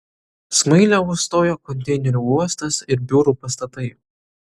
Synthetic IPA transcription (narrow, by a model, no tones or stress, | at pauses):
smɐɪlʲɛʊst̪oːjoːkɔnʲt̪ʲɛɪnʲɛɾʲuːuɔst̪ɐsɪɾbʲuɾuːpɐst̪ɐt̪ɐɪ